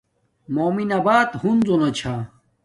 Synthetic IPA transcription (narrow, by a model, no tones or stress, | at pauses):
moːminɐbaːt̪hunzonot͡ɕʰa